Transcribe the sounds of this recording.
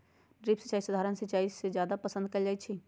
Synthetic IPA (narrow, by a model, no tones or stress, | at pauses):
ɖɾipsət͡ʃaːisəd̪ʱaːɾənsət͡ʃaːised͡ʒjaːd̪apəsə̃nd̪̚kəld͡ʒaːjt͡ʃʰi